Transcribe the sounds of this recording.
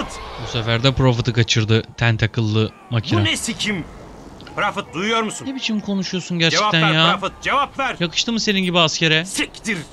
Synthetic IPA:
ɯt̪busefæɾd̪ɛpɾo̞fit̪ʰɯkat͡ʃʰɯɾd̪ɯt̪ʰænt̪ʰakʰɯlˠːɯ | macʰinuanesicʰim | ɾafɯt̪̚d̪ujujoɾmusunebit͡ʃʰimkʰo̞nuʃujosunɟæɾt͡ʃeɛ̥at̪ʰænnɾjaːɾafɯt̪̚d͡ʒevapvæɾjakʰɯ̥ʃt̪ɯmɯse̞ninɟibiascʰeɾɛsɯcd̪iɾ

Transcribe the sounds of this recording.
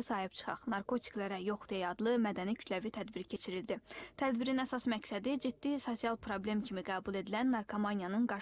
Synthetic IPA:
sɑːhipt͡ʃʰɯ̥χɑ̰χnɑɾkʰo̞t̪ʰi̥klæɾæjo̞χd̪ijɑjɑd̪lˠɯmæd̪ænicʰy̥t̪ʰlævit̪ʰæd̪biɾicʰe̞t͡ʃʰiɾild̪it̪ʰæd̪biɾinæsɑsmæcsæd̪id͡ʒid̪̥ːiso̞siɑlˠpʰɾo̞blʲe̞mcʰimiɡæːbulˠe̞d̪ilænːɑɾkʰomɑnijɑnɯnɡɑ

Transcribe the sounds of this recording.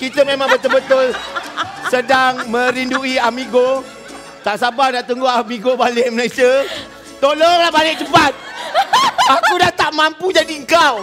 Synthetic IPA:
kit̪əmẽmãŋbət̪əlbət̪ʊl | sədaŋmə̃ɾinduiamiɡo | t̪aʔsabahdaʔt̪uŋɡoamiɡobalɪʔməlajsiə | t̪olɔŋlahbalɪk̚t͡ʃəpat̪̚ | akudaht̪aʔmampud͡ʒadiəŋkaw

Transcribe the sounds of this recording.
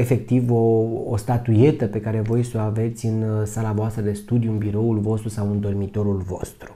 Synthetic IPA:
e̞fe̞k̚t̪ivo̞ːst̪at̪uje̞t̪əpe̞kaɾe̞vo̞jso̞ave̞t̪sʲɨnsalavoast̪ɾəd̪e̞st̪ud̪juɨnbiɾo̞ulvo̞st̪ɾusawɨnd̪o̞rmit̪o̞ɾulvo̞̰st̪ɾu

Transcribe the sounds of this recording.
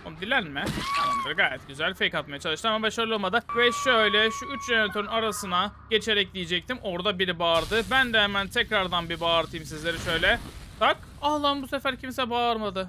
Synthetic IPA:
ond̪ilʲænmɪananˠaɾɯɡaːjɛt̪ɟyzælʲfejkat̪̚majat͡ʃʰalˠɯʃt̪ɯamabaʃaɾɯlˠolˠmad̪ɯvɛʃøjlʲɛʃuyt͡ʃjemnt̪ʰøɾynaɾasɯnaɟ̥e̞t͡ʃʰe̞ɾɛc̚d̪ʲijed͡ʒɛc̚t̪ʰimo̞ɾd̪abiɾibaːɾd̪ɯbænd̪ɛhɛmænt̪ʰɛcɾaɾd̪anbibaːɾt̪ʰɯjmsizlʲe̞ɾiʃø̞jlʲɛd̪̥ak | ahlˠanbusefæɾcʰimsɛbaɾmad̪ɯ

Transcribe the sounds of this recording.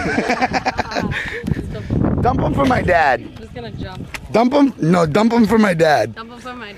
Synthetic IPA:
d̥ʌ̃mpə̃ɱfɹʌ̃mːaɪdæd̚ | dʌ̃mpə̃ɱnoʊdʌ̃mpə̃ɱfɹʌ̃mːaɪdæd̥̚

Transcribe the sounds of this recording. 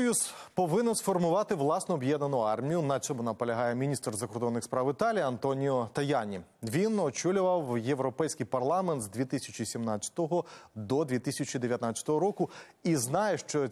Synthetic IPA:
juspɔʋɪnɛnsfɔrmʊʋɑt̪ɪʋlˠɑsnɔːbjɛd̪nɐnʊɑrmʲijʊnɐt͡ʃɔmʊnɐpɔlʲɐɦɑjɛmʲinʲist̪rzɐkɔrd̪ɔnːɪxspɾɑwɪt̪ɑlʲijiɐnt̪ɔnʲijɔt̪ɐjɑnʲiʋʲinɔt͡ʃulʲʊʋɐwjeʋɾɔpɛjsʲkijpɐrlˠɑmɛnt̪zd̪ʲʋʲit̪ɪsʲɐt͡ʃʲisʲimnɑt̪t͡sʲɐ̥t̪ɔɦɔd̪ɔd̪ʲʋʲit̪isʲɐt͡ʃʲid̪eʋʲjɐt̪nat͡sʲɐ̥t̪ɔɦɔɾɔkʊ | iznɑjɛʃt͡ʃɔ

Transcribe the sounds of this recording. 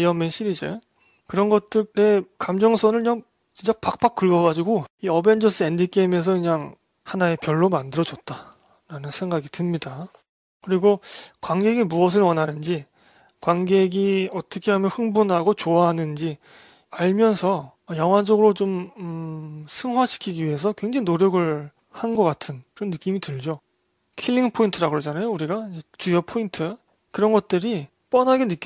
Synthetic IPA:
jʌmenɕʰiɾid͡ʑḛ | kɯɾʌnɡʌt͈̚ɯɾe̞kamd͡ʑʌŋsʰʌnɯɭɲaŋ | t͡ɕint͡ɕ͈apak̚p͈ak̚k͈ɯɭɡʌɡad͡ʑiɡoiʌbe̞nd͡ʑʌs͈ɯe̞ndik͈eime̞s̬ʰʌɯɲaŋ | hanae̞pjʌɭːomandɯɾʌd͡ʑʌt̚t͈a | ɾanɯnsʰe̞ŋɡaɡitɯmɲida | kɯɾiɡokwaŋɡe̞ɡimuʌs̬ʰɯɭwʌnɦanɯnd͡ʑi | kwaŋɡeɡiʌt͈ʌkʰe̞ɦamjʌnɸɯŋbunɦaɡot͡ɕoaɦanɯnd͡ʑi | aɭmjʌnsʰʌ | jʌŋɦwad͡ʑʌɡɯɾot͡ɕom | sʰɯŋɦwaɕʰi̥kʰiɡiɥiɦe̞s̬ʰʌkwe̞ŋd͡ʑaŋinoɾjʌɡɯɭ | hanɡʌk͈atʰɯnkɯɾʌnːɯk͈imitɯɭd͡ʑo | kʰilːiŋpʰointʰɯɾaɡod͡ʑanajouɾiɡaid͡ʑet͡ɕujʌpʰointʰɯ | kɯɾʌnɡʌt̚t͈ɯɾi | p͈ʌnɦaɡenɯk͈i

